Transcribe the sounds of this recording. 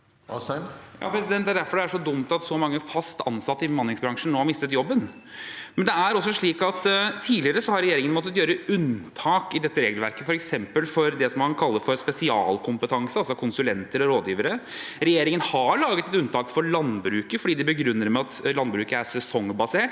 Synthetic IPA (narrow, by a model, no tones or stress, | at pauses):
jjɑ̰ːpɾɛsɪd̪ɛnt̪d̪æɖ̪æɾfɔɖɛæʂɔd̪ʊmt̪ɑt̪sɔmɑŋːəfɑst̪ʰɑ̰nsɑt̪ːəɪbəmɑnlɪŋsbɾɑŋʂəɳ̩noːhɑɾmɪst̪ət̪jɔbːən | mɛnd̪ɛæɾɔs̬ːɔʂɭiːkɑt̪t̪ʰiːlɪəɾəsɔhɑɾɛjeːɾɪŋənmɔt̪ːət̪jøːɾəʉnt̪ʰɑːkɪd̪ɛt̪ːəɾeːɡlʋæɾkəfɔɾɛksɛmpəlfɔɾd̪ɛsɔmkɑnkʰɑlːəfɔɾspɛsɪɑ̰ːlkʰʊmpət̪ʰɑŋsəɑlsɔkʰʊnsʉlɛnt̪əɾɔɾoːd̪jiːʋəɾəɾɛjeːɾɪŋənhɑɭɑːɡət̪ɛt̪ʉnt̪ʰɑːkfɔɾɭɑnbɾʉːkəfɔɖiːd̪ɛbəɡɾʉnːəɾmɛɑt̪lɑnbɾʉːkəæsɛsɔŋːbɑseːʈ